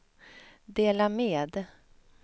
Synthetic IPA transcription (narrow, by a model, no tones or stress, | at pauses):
d̪eːlameːd̪